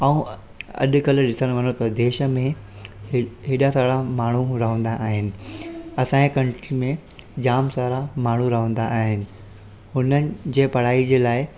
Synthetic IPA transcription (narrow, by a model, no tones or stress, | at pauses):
aũ | ɐ̰ɗ̆kɐlɗɪsəɽ̃ʋɐnot̪ɐd̪eːʃə̆mẽ | ɦeːɗasaːɽamaːɳ̤uɾɐɦə̃nd̪aʔaːɦɪnɪ̆ɐsãːẽkɐ̃ɳʈɾimẽ | d͡ʑaːmsaːɾamaːɳ̤uɾɐɦə̃nd̪aʔːɦɪnɪ̆ | hʊnənɪ̆d͡ʑeːpɐɽ̤aːid͡ʑeːlaːɪ